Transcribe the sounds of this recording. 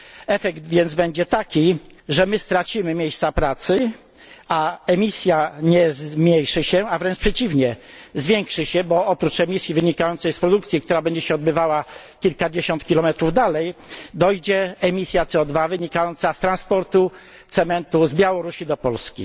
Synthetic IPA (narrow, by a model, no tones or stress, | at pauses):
ɛfɛɡt̪vʲjɛnd̪zbɛɲd͡ʑɛt̪akʲiʐɛmɘst̪ɾat͡ɕimɘmʲjejst̪sapɾat̪sɘ | aɛmʲisʲjaɲɛzmʲɲejʂɘɕɛavɾɛnt͡ʂpʂɛt͡ɕivɲɛzvʲjɛŋkʂɘɕɛbɔɔpɾut͡ʂɛmʲisʲjivɘɲikajɔnt̪sɛjspɾɔd̪uk̚t̪sʲikt̪uɾabɛɲd͡ʑɛɕɛɔd̪̚bɘvawakʲilkad͡ʑeɕɔnt̪̚kʲilɔmɛt̪ɾuvd̪alɛjd̪ɔjd͡ʑɛɛmʲisʲjat̪sɛɔd̪vavɘɲikajɔnt̪sast̪ɾanspɔɾt̪u | t̪sɛmɛnt̪uzbʲjawɔɾuɕid̪ɔpɔlskʲḭ